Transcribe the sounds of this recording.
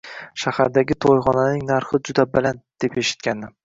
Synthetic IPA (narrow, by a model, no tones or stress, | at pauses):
ʃahaɾd̪aɡʲɪt̪ʰojχɒnanɪŋnaɾχɪd͡ʒʊd̪abaland̪̥e̞peʃɪ̥t̪̚kʲanːɪ